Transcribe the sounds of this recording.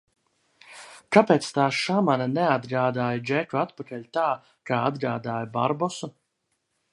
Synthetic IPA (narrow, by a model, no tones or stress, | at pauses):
kapɛːt̪st̪aːʃamananead̪ɡɾaːd̪aːjad͡ʒɛkuat̪pakalʲt̪aː | kaːa̰d̪ɡɾaːd̪aːjaba̰ɾbɔsu